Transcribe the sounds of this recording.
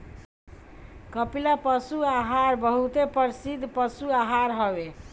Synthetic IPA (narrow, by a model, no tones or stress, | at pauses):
kəpilapəsuaɦaɾbəɦut̪epəɾsid̪ʱpəsuaɦaɾɦəbe